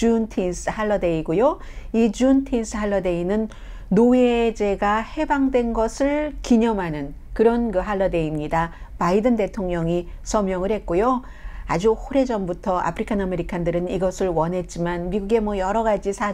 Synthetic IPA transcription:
t͡ɕuntʰinsɯhaɭːʌde̞iɡujo | id͡ʑuntʰins͈ʰɯhaɭːʌde̞inɯnː | oed͡ʑe̞ɡahe̞baŋdwe̞nɡʌsʰɯɭkiɲʌmɦanɯn | kɯɾʌnkɯɦaɭːʌde̞imɲidapaidɯnde̞tʰoŋɲʌŋisʰʌmjʌŋɯɭhe̞t̚k͈ojo | a̰d͡ʑuhoɾe̞d͡ʑʌmbutʰʌa̰pʰɯɾikʰaname̞ɾikʰandɯɾɯniɡʌsʰɯɭwʌnɦe̞t̚t͡ɕ͈imanmiɡuɡe̞mwʌjʌɾʌɡad͡ʑisʰa

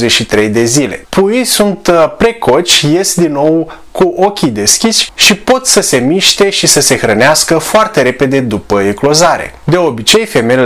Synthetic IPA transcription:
zeʃit̪ɾe̞jd̪e̞zile̞̰pʰujisunt̪pɾe̞kʰo̞t͡ʃʲje̞sd̪inːo̞w | kuʔo̞kʲid̪e̞skʲiʃʲʃipo̞t̪səse̞miʃt̪e̞ʃisəse̞xɾəneaskəfoart̪e̞ɾe̞pe̞d̪e̞d̪upəeklo̞zaɾe̞̰ | d̪e̞o̞bit͡ʃe̞jfe̞me

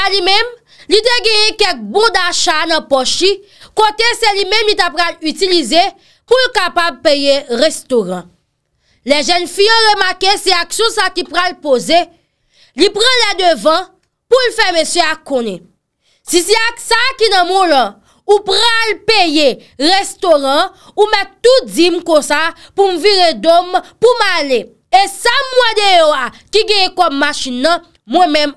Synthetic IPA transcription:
alimɛ̃m | lit̪eɡɛ̃jɛ̃kɛk̚bɔ̃d̪aʃanɐ̃pɔʃi | kot̪eselimɛ̃mlit̪apɣalytilize | pulkapab̚pejeʁɛst̪oʁã̰ | lɛʒɛnfijãʁemakesɛaksjɔ̃sakipʁalpoze | lipʁãlɛd̪øvʌ̃ | pulfɛmesjøakõnɛ̰̃ | sisiasakinʌ̃mũlã | upʁalpeje | ʁest̪oʁã | umɛttːud͡zimkõsapum̩viʁedompumale | esamwanejoakiɡɛ̃jɛ̃kɔmːaʃĩnːʌ̃ | mwɛ̃mɛ̃m

